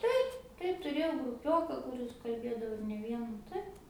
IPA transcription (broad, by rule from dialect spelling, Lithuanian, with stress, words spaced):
ˈtɐɪp ˈtɐɪp tʊˈrʲeːjɛʊ ɡrʊˈpʲoːkɐ kʊˈrʲɪs kɐlʲˈbʲeːdɐʋoː ɪr nʲɛ ˈʋʲiɛnɐ ˈtɐɪp